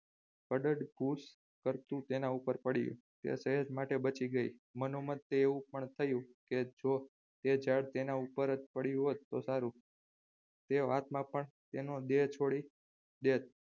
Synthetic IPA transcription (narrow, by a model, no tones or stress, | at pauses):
kəɖəɖɡʱus | kəɾt̪ũt̪enãupəɾpəɽijṵ̃ | t̪ḛsəɦəd͡ʒmaʈebət͡ʃiɡəimənomət̪ːeeũpəɳt̪ʰəjũked͡ʒo | t̪ed͡ʒaɽt̪enãupəɾət̪pəɽijũɦot̪ːo̰saɾũ | t̪eʋat̪mãpəɳt̪enod̪et͡ʃʰoɽi | d̪et̪̚